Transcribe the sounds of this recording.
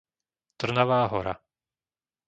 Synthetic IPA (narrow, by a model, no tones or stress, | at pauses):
t̪r̩naʋaːɦɔ̰ɾa̰